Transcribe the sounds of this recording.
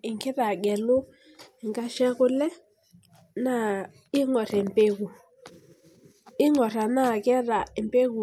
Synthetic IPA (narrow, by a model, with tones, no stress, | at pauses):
ɪ˨ŋkɛ˦ɾa˨ɡɛ˨lʊ˦˨ | ŋɡa˦ʃɛ˦ɣʊ˦lɛ˦ | na˦˨ | ɪ˦ŋɔ˨ɾɛ˨mpe˦ɣu˨ | ɪ˦ŋɔ˨ɾa˨na˦˨kɛ˦ɾa˨ɪ˨mbe˦ɣu˨